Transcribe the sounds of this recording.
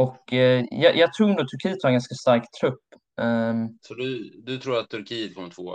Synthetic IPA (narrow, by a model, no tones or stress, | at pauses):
ɔkːjɑjɑːɡ̚t̪ʰɾuːɛnd̪uːt̪ʰɵɾkʰiːət̪vaɾɛŋɡanskast̪aɾkt̪ʰɾɵpː | sɔd̪ʉd̪ɵt̪ʰɾuːɾat̪ʰːɵɾkʰiːət̪̚kʰɔmːət̪ʰvoː